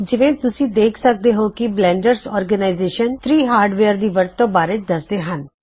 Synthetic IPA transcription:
d͡ʒɪʋẽːt̪ʊsĩːd̪eːkʰsək̚d̪eːɦoːkɪblɛ̃ːɳɖəɾsɔːɾɡənaːɪzeːʃənt̪ʰɾiːɦaːɾɖʋeːəɾd̪iːʋəɾt̪ːõːbaːɾet͡ʃd̪əsd̪eːɦən

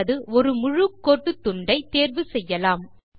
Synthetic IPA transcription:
ɐðɯɔɾɯmʊɻɯkːoːʈːɯt̪ːʊɳɖɐɪt̪eːɾʋɯsɛjːɐlaːm

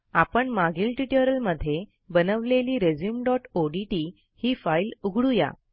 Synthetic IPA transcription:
apəɳmaɡiːlʈiʈəɾəlməd̪ʱːje | bənəʋleliːɾed͡ʑjuːmɖɔʈoɖiʈiː | hiːfailuɡʱɽuja̰

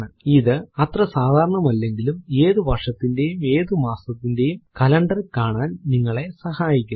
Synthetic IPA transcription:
ɳɨiðɨɐt̪rɐsaːd̪ʱaːɾɐɳɐmɐlːe̞ŋɡilume̞ːðuʋʱɐrʂɐt̪ːinde̞jume̞ːðumaːsɐt̪ːinde̞jumkɐlɐɳɖɐrkaːɳaːnniŋːɐɭe̞sɐhaːjikʲːu

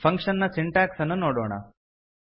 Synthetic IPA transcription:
pʰɐŋkʂɐnːɐsiɳʈaːksɐnːunoːɽo̰ːɳɐ̰

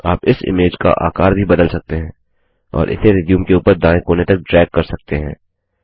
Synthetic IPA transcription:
aːpɪsɪ̰meːd͡ʒka̰ʔa̰ːkaːɾbʱibɐd̪əlsɐk̚t̪eɦɛ̃ː | ɔ̰ːɾʔɪ̰seɾɪːd̪ijũmkeuːpəɾd̪ãːẽkoːnet̪ɐk̚ɖɾɛːɡkːɐɾsɐk̚t̪eɦɛ̃ː

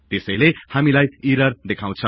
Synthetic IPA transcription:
t̪esʌjlehamilajiɾʌrd̪ekʰaw̃t͡sʰʌ

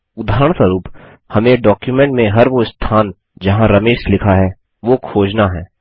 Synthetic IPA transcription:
ʊd̪ʱaːɾəɽ̃swəɾuːp | hɐmẽɖɔːkjumɛ̃ɳʈmẽɦɐɾʋost̪ʰaːn | d͡ʒɐɦãɾɐmeːʃlɪkʰaɦɛː | ʋokʰoːd͡ʒnaɦɛ̰ː

